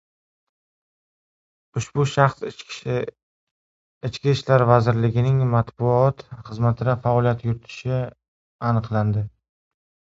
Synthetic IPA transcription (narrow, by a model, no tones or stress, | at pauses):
ʊʃbʊʃaχs | ɪt͡ʃkʲiʃlaɾvazɪɾlɪɡʲɪnɪŋmat̪bʊɒt̪χɨzmat̪ʰɪd̪afaɒlˠijat̪jʊɾɪt̪ʰɪ̥ʃɪ | anɨqlˠand̪ɪ